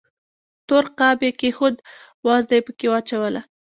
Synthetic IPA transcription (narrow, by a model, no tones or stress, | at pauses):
t̪oɾqabekexʊd̪ | wɑzd̪ajpəkewɑt͡ʃawəla